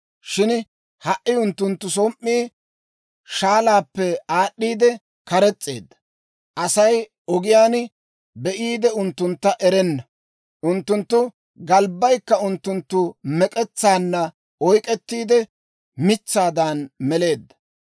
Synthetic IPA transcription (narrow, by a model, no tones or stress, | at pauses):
ʃɪn | hɐʔɪʊnt̪ːʊnt̪ːʊs̬ɔmʔːiː | ʃaːlaːpːɛaːɗːiːd̪ɛ | kɐɾɛt͡sʼːḛːd̪ːɐ̥ | ʔɐsɐj | ɔɡɪjaːn | bɛʔiːd̪ɛʊnt̪ːʊnt̪ːɐʔɛɾɛnːɐ | ʔʊnt̪ːʊnt̪ːʊ | ɡɐlbːɐjkːɐʊnt̪ːʊnt̪ːʊmɛkʼɛt͡sːaːnːɐ | ɔjkʼɛt̪ːiːd̪ɛ | mɪt͡sːaːd̪aːnmɛle̞ːd̪ːɐ̥